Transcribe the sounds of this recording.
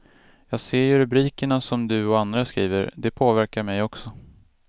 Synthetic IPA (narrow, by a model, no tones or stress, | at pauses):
jɑːɡseːɾjɵɾɵbɾiːkəɳasɔmd̪ɵɔand̪ɾaskɾḭːvə̰ɾd̪ɛpʰoːvæɾkaɾmɛjɔksɔ